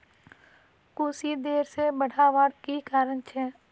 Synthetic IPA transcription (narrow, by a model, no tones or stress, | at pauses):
kʊsid̪eːɾsebəɽ̤ʱaʋaːɾkikaːɾənt͡ʃʰɛː